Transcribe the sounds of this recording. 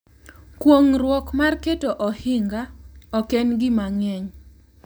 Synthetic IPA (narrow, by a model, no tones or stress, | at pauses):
kwoŋrwɔkmarketoʔɔhɪŋɡaɔkenɡɪmaŋɛɲ